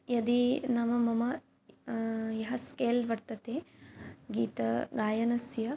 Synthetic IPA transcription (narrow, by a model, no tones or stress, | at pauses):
jɐd̪inɐmɐmɐmɐ | jɐɦɐskeːlʋɐɾt̪ɐt̪eː | ɡiːt̪ɐɡaːjɐnɐsjɐ